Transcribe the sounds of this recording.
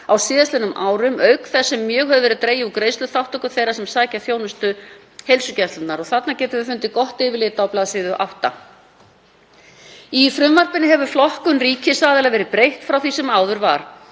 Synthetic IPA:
awsɪːðast̪ɪnʏmʔaːwɾʏmœɥkθɛsːɛmːjœːɣɦœvðʏvɛɾɪðt̪ɾeːjaukɾeːjst̪ʏθawht̪ɔkʏθejɾasɛmsaːjcaθjoːwnʏst̪ʏ | hejlsʏcɛt̪lʏnnaɾɔɣθat̪nacɛːt̪ʏafʏnt̪ɪkɔht̪ɪːvɪlɪːt̪awplaːðsɪːðʏʔa̰wht̪a̰ | ifɾʏmvar̥pɪnɪɦɛvʏflɔhkʏnriːcɪsaːðɪlɛɣavɛːɾɪpɾejht̪fɾawθisɛmaːwðʏɾva̰ɾ̥

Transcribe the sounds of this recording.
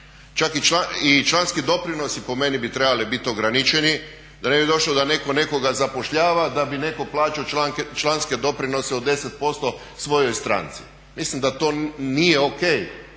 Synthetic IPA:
t͡ʃakit͡ʃait͡ʃlanskid̪o̞pɾino̞sipo̞me̞nibit̪ɾebalibit̪o̞ɡɾanit͡ʃeni | d̪ane̞bid̪o̞ʃlod̪ane̞ko̞ne̞ko̞ɡazapo̞ʃʎaːʋad̪abine̞ko̞plˠaːt͡ʃioaŋt͡ʃlanske̞d̪o̞pɾino̞seod̪e̞set̪̚po̞st̪o̞ | sʋo̞jo̞jst̪ɾa̰ːnt̪si̥̰ | mislimd̪at̪o̞ːnijeo̞kej

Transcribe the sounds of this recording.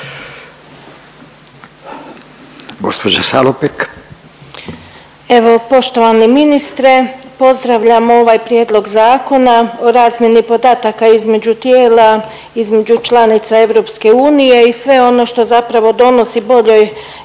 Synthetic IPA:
ɡospod͡ʒasa̰lopik | e̞ʋo̞po̞ʃt̪o̞ʋaniminist̪ɾepo̞zd̪ɾaʋʎamoo̞ʋaːjpɾjeːd̪lˠo̞ɡzaːko̞nao̞ɾaːzmje̞nipo̞d̪aːt̪akaizme̞d͡ʑut̪jeːla | izme̞d͡ʑut͡ʃlanit̪sae̞ʋɾo̞pske̞uːnije̞isʋe̞o̞no̞ʃt̪o̞zapɾaʋo̞d̪o̞no̞sibo̞ʎo̞j

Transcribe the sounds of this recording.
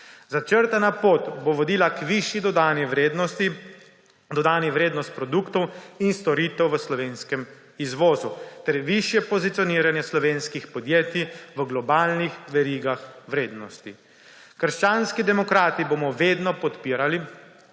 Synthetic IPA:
zat͡ʃəɾt̪anapoːt̪boʋɔd̪iːlakʋiʃjid̪ɔd̪aːniʋɾed̪nɔst̪i | d̪ɔd̪aːniʋɾeːd̪nɔst̪̚pɾɔd̪ukt̪ɔwinst̪ɔɾiːt̪ɛwʋəslɔʋeːnskɛm | izʋɔːzut̪ɛɾʋiʃjɛpɔzit̪sijɔniːɾanjɛslɔʋeːnskixpɔd̪jeːt̪iʋəɡlɔbaːlnixʋɛɾiːɡaxʋɾeːd̪nɔst̪i | kəɾʃt͡ʃaːnskid̪ɛmɔkɾaːt̪iboːmɔʋeːd̪nɔpɔt̪piːɾali

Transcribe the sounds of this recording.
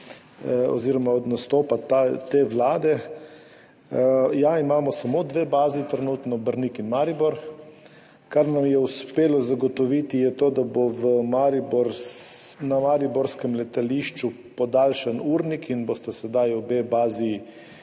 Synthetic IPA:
ɔ̰ziːɾɔmaɔd̪nast̪oːpat̪at̪eʋlaːd̪ɛ | jaimaːmɔsamod̪ʋebaːzit̪ɾɛnuːt̪nɔbəɾnikinmaɾibɔɾ | kaɾnamjɛuspeːlɔzaɡɔt̪ɔʋit̪ijɛt̪oːd̪aboʋəmaɾiboɾ | namaɾibɔɾskɛmlɛt̪aliʃt͡ʃu | pɔd̪alʃanuːɾnikʰinbost̪asɛd̪ajɔbebaːzi

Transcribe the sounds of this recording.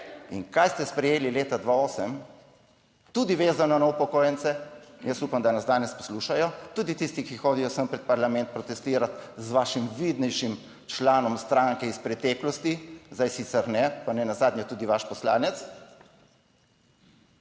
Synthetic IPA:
ḭnkajst̪ɛspɾɛjeːlileːt̪ad̪ʋaoːsəm | t̪ud̪iʋeːzanɔnɔupɔkoːjɛnt̪sɛnjəsuːpamd̪anazd̪aːnɛspɔ̥sluːʃajɔt̪uːd̪it̪ist̪ikixoːd̪ijɔsəmpɾɛt̪̚paɾlamɛnt̪̚pɾɔt̪ɛst̪iːɾat̪zʋaːʃimʋid̪nɛjʃim | t͡ʃlaːnɔmst̪ɾaŋkɛispɾɛt̪ɛklɔst̪izd̪ajsiːt̪sɛɾnɛpanɛnazaːd̪nɲjɛt̪uːd̪iʋaʃpɔsla̰ːnɛt̪s

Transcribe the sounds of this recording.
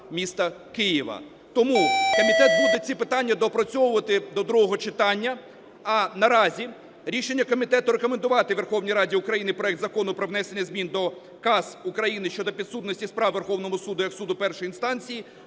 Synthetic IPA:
mʲist̪ɐkɪjɪʋɐ̰ | t̪ɔmukɔmʲit̪ɛt̪̚bud̪et͡sʲipɪt̪ɑnʲːɐd̪ɔpɾɔt͡sʲɔwʊʋɐt̪ɪd̪ɔd̪ɾuɦɔɦɔt͡ʃɪt̪ɑnʲːɐ | ɐnɐɾɑzʲi | ɾʲiʃenʲːɐkɔmʲit̪ɛt̪ʊɾekɔmend̪ʊʋɑt̪ɪʋe̞rxɔwnʲijɾɑdʲiʊkɾɐjinɪpɾɔɛk̚t̪zɐkɔnʊpɾɔʋnɛsenʲːɐzʲmʲind̪ɔ | kɑz̥ʊkɾɐjinɪʃt͡ʃɔd̪ɔpʲid̪sut̪nɔsʲtʲispɾɑʋʋerxɔwn̪ɔmɔsud̪ʊjɐksud̪ʊpɛrʃɔjinst̪ɑnʲt͡sʲiji

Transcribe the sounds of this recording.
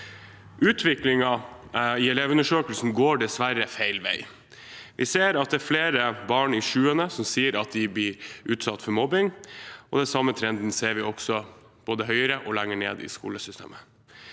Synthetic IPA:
ʔʉːt̪ʰʋɪklɪŋɑɪɛleːʋʉnəʂøːkəlsn̩ɡoːɖɛsʋæɾəfæɪlʋæɪ | ʋʔɪseːɾɑt̪̚d̪ɛːɾfleːɾəbɑːɳɪʂʉːənəsɔmsiːəɾɑt̪̚d̪ɪblɪɾʉːt̪sɑt̪ːfɔɾmɔbɪŋʔɔd̪ɛsɑmːət̪ʰɾɛnd̪n̩seːɾʋɪɔksɔ | b̥oːd̪əɦœʏəɾəʔɔlæŋːəɳḛːd̪ɪ̰skṵːləsʏst̪ʰḛːmə

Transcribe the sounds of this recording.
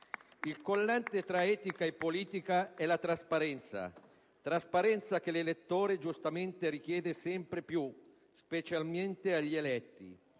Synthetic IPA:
ilkolːant̪et̪ɾaɛːt̪ikaepːoliːt̪ikaɛlat̪ɾaspaɾɛnt̪sa̰ | t̪ɾaspaɾɛnt̪sak̟elelet̪ːoːɾed͡ʒust̪ament̪eɾik̟jɛːd̪esɛmpɾepju | spet͡ʃalment̪eaʎːielɛt̪ːḭ

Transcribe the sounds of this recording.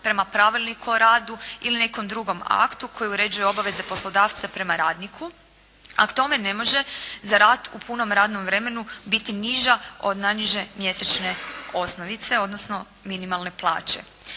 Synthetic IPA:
pɾe̞mapɾaʋilˠnikuoɾaːd̪uiline̞ko̞md̪ɾuɡo̞ma̰kt̪ukʰo̞jiuɾe̞d͡ʒujeo̞baʋe̞ze̞po̞slˠo̞d̪aːʋt̪sapɾe̞maɾaːd̪nikʰu | a̰kt̪o̞me̞ne̞mo̞ʒe̞zaɾaːt̪upuno̞mɾaːd̪no̞mʋɾe̞me̞nubit̪iniʒao̞d̪najniʒe̞mje̞set͡ʃne̞o̞snoʋit̪se̞o̞d̪nosno̞ | minimalˠne̞plˠa̰ːt͡ɕe̞̰

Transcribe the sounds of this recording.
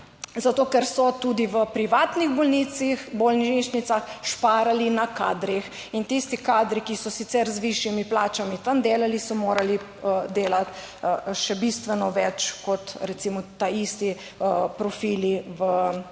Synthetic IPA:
zat̪oːkɛɾsɔt̪uːd̪iʋəpɾiʋaːt̪niɣbɔlnit̪sixbɔlniʃnit̪saxʃpaːɾalinaka̰ːd̪ɾix | int̪ist̪ikaːd̪ɾikisɔsit̪sɛɾzʋiʃjimiplaːt͡ʃamit̪amd̪eːlalisɔmoːɾali | əd̪eːlat̪ | ʃɛbist̪ʋɛnɔʋɛt͡ʃkɔt̪ɾɛt̪simɔt̪ːaist̪i | əpɾɔfiːliʋə

